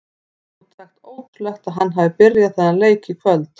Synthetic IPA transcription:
ut̪ʰaxt̪oːwtlœxt̪aðɦanːɦavɪpɪɾjaðθɛnːaleːjcɪkʰvœlt̪

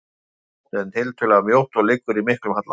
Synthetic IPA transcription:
ɛnɪlt̪ʰʏlɛɣamjowht̪ɔlɪkːʏɾimɪhklʏmhat̪l

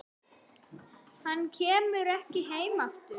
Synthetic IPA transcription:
hanːcʰɛːmʏɾɛhcɪɦeːjmaft̪ʏ

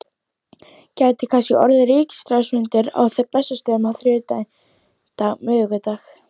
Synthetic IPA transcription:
caːjt̪ɪkʰanscɛʔɔɾðɪɾiːcɪ̥st̪ɾawsmʏnt̪ɪɾa̰wθɛɾplɛsːast̪œːmaθɾjʏːt̪an | t̪aɣmʏːɣʏt̪aːx

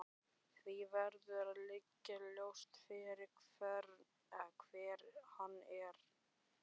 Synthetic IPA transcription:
θvivɛɾðʏaðlɪcːaljowst̪fɪɾɪɾkʰv̥ɛɾ | ɛkʰv̥ɛːɾhanːɛɾ̥

